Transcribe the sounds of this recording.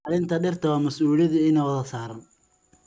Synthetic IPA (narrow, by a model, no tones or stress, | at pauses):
ɑlɪnt̪ʰɐɖɪrt̪ʰɐwaːmɐsuːljɐðʊɪnɐwɐðɐsaːɾɐn